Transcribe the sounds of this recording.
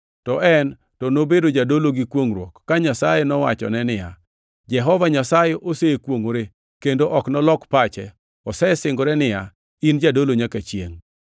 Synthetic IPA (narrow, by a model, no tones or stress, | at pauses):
tɔʔɛn | tɔnobedod͡ʒadoloɡikwoŋɾwɔkːaɲasajenɔwa̰t͡ʃɔ̰nɛnɪja̰ | d͡ʒɛɦɔvaɲasajeʔosekwoŋoɾe | kendoʔɔknɔlɔkpat͡ʃɛ̰ | ɔsɛsɪŋɡoɾɛnɪja | ind͡ʒadoloɲakat͡ʃjeŋ